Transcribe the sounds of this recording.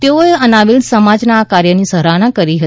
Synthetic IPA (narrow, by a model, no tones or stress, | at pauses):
t̪eoeənaʋilsəmad͡ʒnakaɾjənisəɾañakəɾiɦət̪